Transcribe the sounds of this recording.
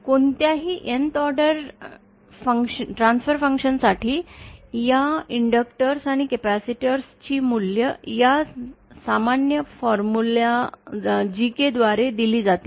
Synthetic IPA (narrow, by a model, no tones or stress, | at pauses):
koɳt̪jaɦiːʔent̪ɔɾɖəɾ | fəŋkʂəʈɾansfəɾfəŋkʂənsaʈʰiːjaiɳɖəkʈəɾsaɽ̃ikepæsiʈəɾst͡ɕiːmuljəjasamanjəfɔɾmula | d͡ʑiked̪ʋaɾed̪iliːd͡zat̪i